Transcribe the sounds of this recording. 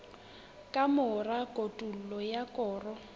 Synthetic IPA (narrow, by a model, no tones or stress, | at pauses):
kʼamʊrakʼotʼul̩lɔjakʼɔːrɔ